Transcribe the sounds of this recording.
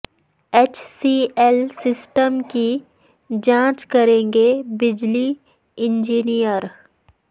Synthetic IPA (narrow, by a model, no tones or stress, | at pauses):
eːt͡ʃsiɛlsɪsʈəmki | d͡ʒãːt͡ʃkɐɾẽːŋɡebɪd͡ʒli | ɪ̃nd͡ʒiːnijəɾ